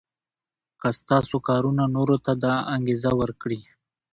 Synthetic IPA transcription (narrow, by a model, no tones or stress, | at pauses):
kast̪ɑsokɑɾunanoɾot̪ad̪aaŋɡezawəɾkɽi